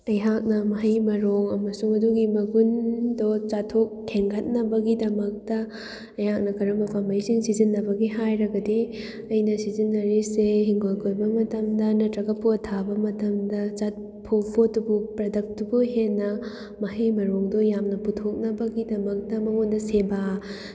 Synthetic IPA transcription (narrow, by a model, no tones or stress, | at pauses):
ɐjɦak̚nɐmɐɦɐjmɐɾoŋɐmɐsuŋɐduɡimɐɡundot͡ʃatʰok̚tʰeŋɡɐt̚nɐbɐɡidɐmɐk̚tɐ | ɐjhak̚nɐkʰɐɾɐmɐpʰamɐjsiŋsizinːɐbɐɡiɦajɾɐɡɐdi | ɐjnɐsizinːɐɾiseɦiŋɡojkʰojbɐmɐtɐmdɐnɐtɾɐɡɐpotʰabɐmɐtɐmdɐt͡ʃat̚ | pʰopʰotubupɾɐdɐk̚tubuɦenːɐ | mɐhijmɐɾoŋdojamnɐputʰok̚nɐbɐɡidɐmɐk̚tɐmɐŋondɐseba